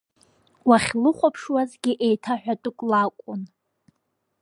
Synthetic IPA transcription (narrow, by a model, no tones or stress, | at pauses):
waχʲlɨχʷapʰʂwazɡʲiʔejtʰaħʷᶣatʼʊkʷʼlakʷʼʊn